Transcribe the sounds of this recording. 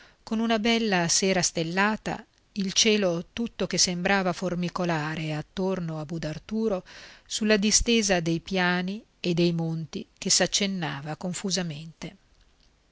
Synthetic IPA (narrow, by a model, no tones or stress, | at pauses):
konunabɛlːaseːɾast̪elːaːt̪a̰ | ilt͡ʃɛːlot̪ut̪ːokesːembɾaːvaformikolaːɾeat̪ːornoabud̪art̪uːɾosulːad̪ist̪eːzad̪ejpjaːni | ed̪ːejmont̪ik̟esat͡ʃːenːaːvakoɱfuzament̪e